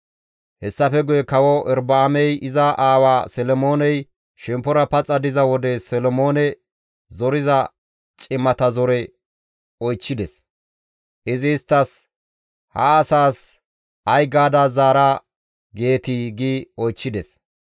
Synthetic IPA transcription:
hɛsːɐfɛɡʊjɛkɐwɔʔɛɾbɐːmɛjɪzɐʔaːwaːsɛlɔmo̞ːnɛj | ʃɛmpːɔɾɐpɐt͡sʼɐd̪ɪzɐwɔd̪ɛsɛlɔmo̞ːnɛ | zɔɾɪzɐ | t͡ʃʼɪmːɐt̪ɐzɔɾɛ | ɔjt͡ʃːɪd̪ɛs | ʔɪzɪːst̪ːɐs | hɐ̰ːsaːs | ɐjɡaːd̪azaːɾa | ɡe̞ːt̪iɡiːɔjt͡ʃːɪd̪ɛs

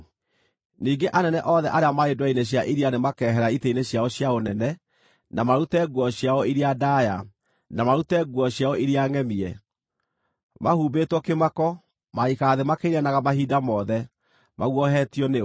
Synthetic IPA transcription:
niːɡeʔanɛnɛʔɔðɛʔaɾeamaedwaineɕ̬jaʔiɾianemakɛɦɛɾaiteineɕjaɔɕjaonɛnɛ | namaɾutɛɡwɔɕjaɔiɾiadaja | namaɾutɛɡwɔɕjaɔiɾiaŋɛmiɛ | mahuːbetwɔkemakɔ | maikaðemakeɾianaɣamahiːdamɔðɛ | maɣwɔɦɛtiɔne

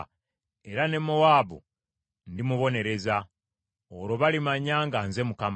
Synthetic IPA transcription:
e̞ɾane̞mowaːβṵ | ndimuβo̞ne̞ɾe̞za | oɾo̞βalimaɲaŋɡaːnze̞mukam

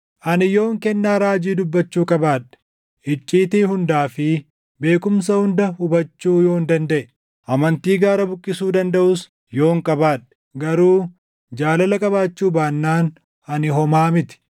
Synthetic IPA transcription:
ʔɐnɪjo̞ːŋkɛnːaːɾaːd͡ʒiːd̪ʊbːɐt͡ʃːuːkʼɐbaːᶑɛ̥ | ʔɪt͡ʃʼːiːt̪iːhʊnd̪aːfɪ | be̞ːkʊms̬ɐhʊnd̪ɐhʊbɐt͡ʃːuːjo̞ːnd̪ɐnd̪ɐʔɛ | ʔɐmɐnt̪iːɡaːɾɐbʊkʼːɪsuːd̪ɐnd̪ɐʔuːs | jo̞ːŋkʼɐbaːᶑɛ̥ | ɡɐɾuː | d͡ʒaːlɐlɐkʼɐbaːt͡ʃːuːbaːnːaːn | ɐnɪɦɔmaːmɪt̪ɪ̥

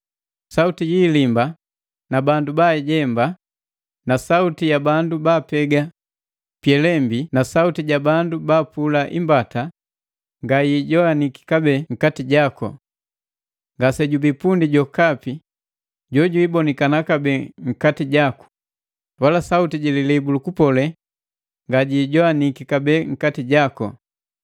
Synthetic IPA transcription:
sautijiːlimba | nabandubaɟɛmba | nasautijabandubaːpɛɡa | pjɛlɛmbinasautiɟabandubaːpulaʔimbata | ŋɡajiɟɔaniki̥kabɛŋ̩katiɟakɔ̰ | ŋɡasɛɟubipundiɟɔkapi | ɟɔɟuibɔnikanakabɛŋ̩katiɟaku̥ | walasautiɟɛlilɛbulukupɔlɛ | ŋɡaɟiːɟɔanikikabɛŋ̩katiɟakɔ̰

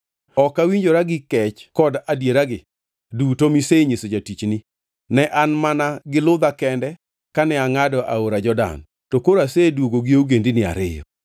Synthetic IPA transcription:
ɔkawiɲd͡ʒoɾaɡɪkɛt͡ʃkɔdadjeɾaɡɪ | dutomiseɲesod͡ʒatit͡ʃnɪ | nɛʔanmanaɡɪlʊd̪akɛndɛ | kanɛaŋadɔʔaoɾad͡ʒɔda̰n | tokoɾasedwoɡoɡɪouɡendinɪa̰ɾɪjɔ̰

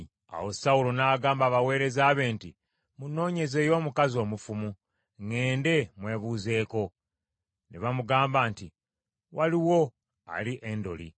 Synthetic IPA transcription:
a̰wo̞sawulo̞naːɡaːmbaːβawe̞ːɾe̞zaːβe̞ːnti | muno̞ːɲe̞ze̞jo̞ːmukazio̞ːmufumu | ŋe̞ːnde̞mwe̞ːβuze̞ːko̞ | neβamuɡaːmbaːnti | waliwo̞ | a̰liʔendo̞̰lḭ

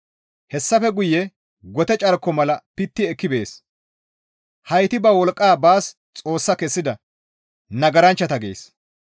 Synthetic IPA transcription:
hɛsːɐfɛɡʊjːɛ | ɡɔt̪ɛt͡ʃʼɐɾkːɔmɐlɐpɪt̪ːɪɛkːɪbeːs | hɐjt̪ɪbɐwɔlkʼːaːbaːs | t͡sʼo̞ːsːɐkɛsːɪd̪ɐ | nɐɡɐɾɐnt͡ʃːɐt̪ɐɡḛːs

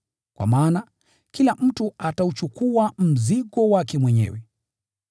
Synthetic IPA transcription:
kwa̰maːna | kilam̩tuataut͡ʃukuam̩ziɠɔwakɛmwɛɲɛ̰wɛ

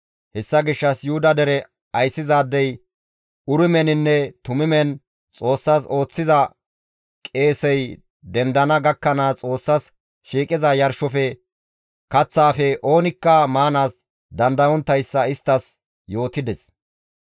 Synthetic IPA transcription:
hɛsːɐɡɪʃːɐsjuːd̪ɐd̪ɛɾɛ | ɐjsːɪzaːd̪ːɛj | ʊɾɪmɛnɪnːɛt̪ʊmɪmɛn | t͡sʼo̞ːsːaːso̞ːt͡sːɪzɐ | kʼe̞ːsɛj | d̪ɛnd̪ɐnɐɡɐkːɐnat͡sʼo̞ːsːɐs | ʃiːkʼɪzɐjɐɾʃɔfɛ | kɐt͡sːaːfɛʔo̞ːnɪkːɐmaːnaːs | d̪ɐnd̪ɐwɔnt̪ːɐjsːɐɪst̪ːɐs | jo̞ːt̪ɪd̪ɛs

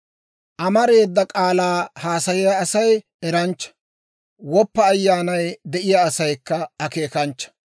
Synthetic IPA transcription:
ʔɐmɐɾe̞ːd̪ːɐkʼaːlaːhaːsɐjɪjaːsɐj | ɛɾɐnt͡ʃːɐ̥ | wɔpːɐːjːaːnɐjd̪ɛʔɪjaːsɐjkːɐɐke̞ːkɐnt͡ʃːɐ̥

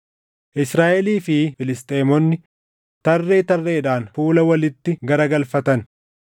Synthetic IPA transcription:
ʔɪsɾaːʔɛliːfɪfɪlɪst̪ʼeːmɔnːɪ | t̪ɐrːe̞ːt̪ɐrːe̞ːᶑaːnfuːlɐwɐlɪt̪ːɪɡɐɾɐɡɐlfɐt̪ɐn

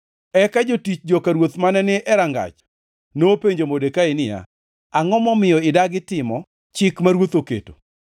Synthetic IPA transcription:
ɛkad͡ʒotit͡ʃd͡ʒɔkaɾwot̪manɛnɪʔɛɾaŋɡa̰t͡ʃ | nopeɲd͡ʒomodekaɪnɪja̰ | aŋɔmɔmɪjɔɪdaɡɪtɪmɔ | t͡ʃɪkmaɾwot̪okḛto̥̰

